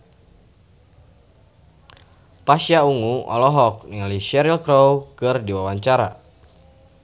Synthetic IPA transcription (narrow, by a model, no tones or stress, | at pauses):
paʃjauŋuɔ̰lɔɦɔk̚niŋaliʃɛɾilkɾowkɨrdiwawaɲt͡ʃaɾa̰